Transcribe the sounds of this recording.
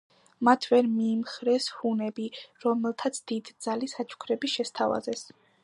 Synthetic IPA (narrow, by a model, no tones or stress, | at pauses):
mat̪ʰvɛɾmiːmχɾɛshunɛbiɾɔmɛlˠt̪ʰat̪sʰd̪̥id̪d̪z̥alisat͡ʃʰʼu̥kʰɾɛbiʃɛst̪ʰava̰zɛs